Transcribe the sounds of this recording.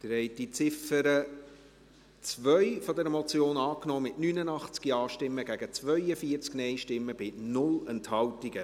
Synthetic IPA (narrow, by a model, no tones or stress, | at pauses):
t̪ɪɾɛɪtd̥it͡sɪfəɾə | t͡svœjfɔd̪ɛɾəmɔt͡sjoːnɑːknɔːmɪtnynənɑχt͡skiɑːʃtɪmːəɡ̥æɡət͡svœʏəfiəɾt͡sknɛjʃtɪmːəb̥ɪnʊlɛnthɑwtiɡə